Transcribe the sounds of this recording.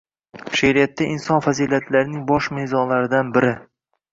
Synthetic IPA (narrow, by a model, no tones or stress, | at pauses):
ʃaɾijat̪ʰːaʔɪnsɒnfazilat̪ʰlaɾɪnɪŋbɒʃmezɒnlaɾɪd̪anbɪɾɪ